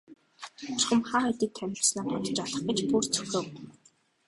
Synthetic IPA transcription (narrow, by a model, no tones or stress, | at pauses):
ʊχə̆mχaːχet̪iːk̚t̪ʰæmʲɪ̆snaːpɔt̪ə̥̆t͡ɕɔɮə̆χɡə̆t͡ɕpurt͡sʰɵxoːw